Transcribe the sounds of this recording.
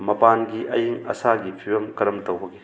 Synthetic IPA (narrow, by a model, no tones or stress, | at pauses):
mɐpanɡiʔɐ̰jiŋɐ̰saɡipʰiwɐmkɐɾɐmtɐwɦɐɡi